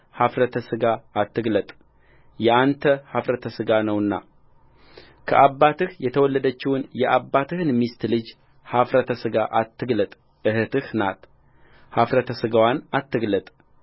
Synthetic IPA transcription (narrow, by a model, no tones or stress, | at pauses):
hafɾət̪ʰəsɨɡaːt̪ːɨɡlət̪ʼ | jɛʔant̪ʰəhafɾət̪ʰəsɨɡanəwɨnːa̰ | kʰəʔabːat̪ɨhjɛt̪ʰəwɔlːəd̪ət͡ʃːɪwʊnjɛʔabːat̪ʰɨhɨnmist̪lɨd͡ʒ | hafɾət̪ʰəsɨɡaʔat̪ːɨɡlət̪ʼ | ʔɨhɨt̪ɨhnat̪ | hafɾət̪ʰəsɨɡawanat̪ːɨɡlət̪ʼ